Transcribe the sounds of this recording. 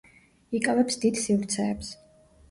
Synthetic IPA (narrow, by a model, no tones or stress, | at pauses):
ikʼavɛpsd̪id̪sivɾt̪sʰɛːps